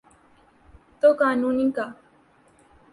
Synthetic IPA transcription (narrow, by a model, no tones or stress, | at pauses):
t̪okaːnũːnĩka